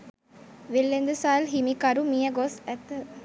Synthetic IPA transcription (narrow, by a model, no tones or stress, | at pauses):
ʋilːend̪əsaːlɦimikɐɾumijɐɡosæt̪ː